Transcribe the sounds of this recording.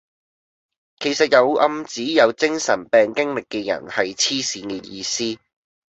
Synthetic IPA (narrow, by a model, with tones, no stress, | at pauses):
kʰe˨˩jsɐ˨t̚jɐ˨˧wɐ˧mt͡siː˨˥jɐ˨˧wt͡sɪ˥ŋsɐ̰˨˩npɛː˨ŋkɪ˥ŋlɪ˨kːɛ˧jɐ̰˨˩nhɐ˨jt͡sʰiː˥siː˨˥niː˨˧t̚jiː˧siː˥